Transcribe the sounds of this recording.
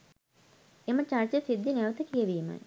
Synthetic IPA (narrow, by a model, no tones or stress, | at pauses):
emət͡ɕaɾt͡ɕesid̪ʱːineʋət̪əkijəʋiːma̰j